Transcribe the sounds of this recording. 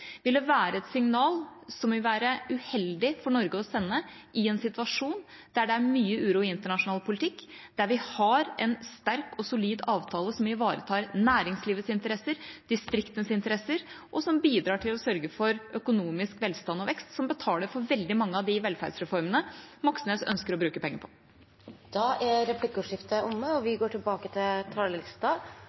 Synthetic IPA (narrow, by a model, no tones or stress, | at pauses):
ʋɪld̪ɛʋæːɾəɛt̪sɪŋnɑːlsɔmʋɪlʋæːɾəʉhɛld̪ɪfɔɳɔɾɡəɔsɛnːə | ʔɪɛnsɪt̪ʋɑʂuːnd̪̥æɖɛæɾmyːəʉːɾuːɪɪnt̪əɳɑʂʊnɑːlpʰʊlɪt̪ʰɪkː | d̪̥æɾʋɪhɑɾɛnst̪æɾkɔsʊliːd̪ɑːʋt̪ʰɑːləsɔmɪʋɑːɾət̪ʰɑːɾnæːɾɪŋsliːʋət̪sɪnt̪əɾɛsəɾd̪̥ɪst̪ɾɪkt̪ənsɪnt̪əɾɛsːəɾʔɔsɔmbiːd̪ɾɑːʈʰɪlɔsœɾɡəfɔɾœkʊnuːmɪskʋɛlst̪ɑnːɔʋɛkst̪sɔmbət̪ʰɑːləɾfɔɾʋɛld̪ɪmɑŋːəɑʋd̪ɪʋɛlfæ̰ɾɖsɾɛfɔɾmənəmɔksən̩əsœ̰nskəɾɔbɾʉːkəpʰɛŋːəɾpʰɔ̥ | d̪̥ɑːʔæɾɛplɪkːʉʂɪft̪əʔʊmːəɔʋɪɡoːʈʰɪlbɑːkət̪ʰɪlt̪ʰɑːɭlɪst̪ɑ